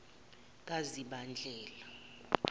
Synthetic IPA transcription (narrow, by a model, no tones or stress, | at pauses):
k̬ʼaziɓand͡ɮʱɛːla